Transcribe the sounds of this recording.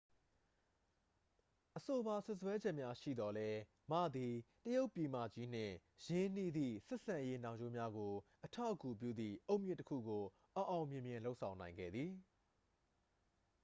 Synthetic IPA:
ʔəso˨ba˨sʊ˦ʔswɛ˦d͡ʑɛ˦ʔmja˦ʃḭ˦˨d̪ɔ˨lɛ˦ | mä̰˦˨d̪i˨təjo˦ʊpːi˨mä̰˦˨d͡ʑi˦n̥ɪ̰̃˦˨jɪ̃˦n̥i˦˨d̪ḭ˦˨sɛ˦ʔsã˨je˦nã˨ɲd͡ʑo˦mja˦ɡo˨ʔətʰa˦˨ʔəku˨p̬jṵ˦˨d̪ðḭ˦˨ʔo˦ʊʔmjɪ̃˦˨təkʰṵ˦˨ɡo˨ | ʔə˨ʔã˨ʊ̃mjɪ̃˨mjɪ̃˨lo˦ʊʔsʰã˨ʊ̃nã˨ɪ̃ŋɡɛ̰˦˨d̪ði˨

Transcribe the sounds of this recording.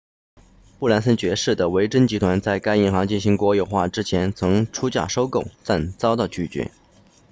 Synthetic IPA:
pu˥˩la˧˥nsə˥nt͡ɕɥɛ˧˥ʂɻ̩˥˩d̪ə˩we˧˥ɪʈ͡ʂə˥nt͡ɕi˧˥t̪ʰwa˧˥nt͡sa˥˩ɪka˥ɪi˧˥ŋxɑ˧˥ŋt͡ɕi˥˩nɕi˧˥ŋkwɔ˧˥jo˨˩ʊxwa˥˩ʈ͡ʂɻ̩˥t͡ɕʰjɛ˧˥nt͡sʰɤ˧˥ŋʈ͡ʂʰu˥t͡ɕja̰˥˩ʂo˥ʊko˥˩ʊt̪a˥˩nt͡sɑ˥ʊt̪ɑ˥˧˩ʊt͡ɕy˥˩t͡ɕɥɛ̰˧˥

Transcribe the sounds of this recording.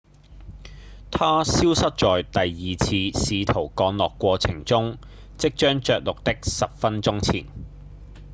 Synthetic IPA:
t̪ʰaː˥siː˥wsɐ˥t̚t͡ʃɔː˨jt̪ɐ˨jːiː˨t͡sʰiː˧siː˨˧t̪ʰo˨˩wkɔː˧ŋlɔː˨kʷːwɔː˧t͡sʰɪ˨˩ŋt͡sʊ˥ŋ | t͡sɪ˥k̚t͡ʃœː˥ŋt͡ʃœː˨k̚lʊ˨k̚t̪ɪ˥k̚sɐ˨p̚fɐ˥nt͡ʃʊ˥ŋt͡sʰḭː˨˩n

